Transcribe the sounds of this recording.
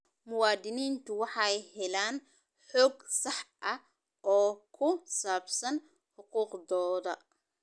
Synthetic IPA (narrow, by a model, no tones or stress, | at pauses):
mʊwaːd̪ɪniːnt̪ʰʊwɑħɑjhɛlaːn | ħɔːɡsɑħʔɐ | ʔɔːkʰʊsaːbsɐn | ħʊquːqd̪ɔːðɐ